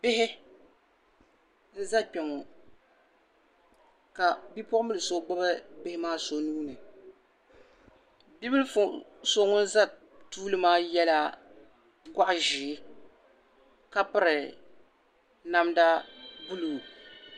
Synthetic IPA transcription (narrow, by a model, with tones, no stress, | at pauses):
bɪ˦hɪ˦ | n̩˦za˦k͡pɛ˨ŋɔ˨ | ka˨bi˦pɔ˦ʔʊ˦mɨ˦lɨ˨so˦ɡ͡ba˦ba˦bɪ˦hɪ˦maː˦so˨nuː˦nɨ˨ | bi˦bɨ˦lfso˦ŋʊ˦n˦za˦ | tuː˦lɨ˦maː˦jɛ˦la˦ | ɡʷa˦ʔʒɪ˨˦ | ka˦pɨ˦ɾɨ˨ | na˦mda˦bu˦lu˨